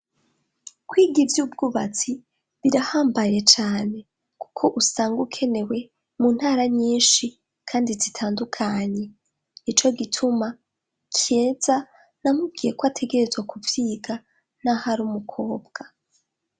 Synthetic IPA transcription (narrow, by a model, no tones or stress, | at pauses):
kwiːɡivjuːb̚ɡuβat͡si | βiɾahaːmbaje̞t͡ʃaːne̞ | ku̥kʰo̞ʔusaːŋɡukʰe̞ne̞we̞ | muːn̥haːɾaɲiːnʃi | kʰaːndizitʰaːndukʰaɲe̞ | it͡ʃo̞ɡitʰuma | kʰieːz̥a | namub̚ɡiːje̞kwatʰe̞ɡe̞ɾe̞zwakuvjiːɡa | nahaɾuːmukʰo̞ːbɡ̥a